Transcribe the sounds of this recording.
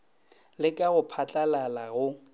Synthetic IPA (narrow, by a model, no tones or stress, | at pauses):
lɪkʼaɣʊpʰat͡ɬʼalalaɣʊ